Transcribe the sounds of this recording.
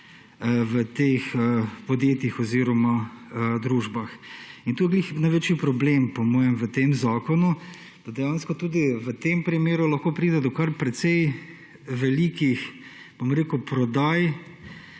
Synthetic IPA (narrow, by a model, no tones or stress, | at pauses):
ʋət̪exəpɔd̪jeːt̪ixɔziɾɔmad̪ɾuːʒbaxint̪uːjɛɡlixnajʋeːt͡ʃjipɾɔblempɔmɔːjɛmʋət̪emzaːkɔnu | d̪̥ad̪ɛjanskɔt̪uːd̪iʋət̪empɾimeːɾulɐxkoːpɾiːd̪ɛd̪ɔkaɾpɾɛt̪sɛj | ʋɛlikix | b̥omɾeːkʊpɾɔd̪aj